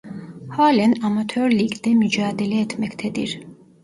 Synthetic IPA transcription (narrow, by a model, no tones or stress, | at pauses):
haːlɛnamat̪ʰøːɾliɡd̪ɛmyd͡ʒaːd̪ɛlɛːt̪ʰmɛkʰt̪ʰɛd̪ḭɾ